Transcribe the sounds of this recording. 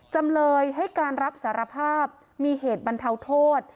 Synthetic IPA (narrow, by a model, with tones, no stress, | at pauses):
t͡ɕa˧mlɤː˧jɦa˥˩jkaː˧nɾa˦˥p̚saː˩˦ɾa˧pʰaː˥˩p̚ | miː˧ɦeː˨˩t̪̚ba˧nt̪ʰa˧wt̪ʰoː˥˩t̪̚